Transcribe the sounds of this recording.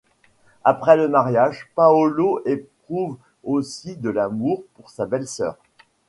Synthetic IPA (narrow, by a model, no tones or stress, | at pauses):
apχɛləmaʁjaʒpaɔloʔep̚χuv | osid̪əlamuʁpuʁsabɛlsœ̰ːʁ